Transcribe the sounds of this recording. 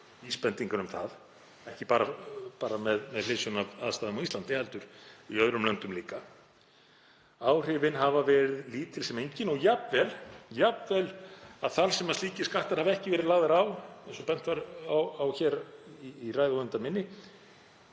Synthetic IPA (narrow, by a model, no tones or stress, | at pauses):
iːspɛnt̪iŋkanʏmθað | ɛhcɪpaːɾapaːɾamɛðmɛðlɪːsʏnava̰ːðst̪aːðʏmawislant̪ɪhɛlt̪ʏɾ̥iœðɾʏmlɛnt̪ʏmliːka | aːwr̥ɪvɪnɦavavɛːɾɪðliːt̪ɪlsɛmejɲcɪnɔɣjapvɛljapvɛlaðθaɾsɛmast̪iːcɪskaht̪aɾ̥havaɛhcɪvɛːɾɪðlaːɣðɪɾaːwɛsɔpɛn̥t̪vaɾawawçɛːɾiːraːjðɪɔʏɪnt̪amɪnːɪ